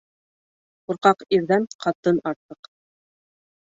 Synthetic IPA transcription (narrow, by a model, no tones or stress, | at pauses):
quɾqɑqiɾðænqʰɑt̪ɤnɑɾt̪ɤq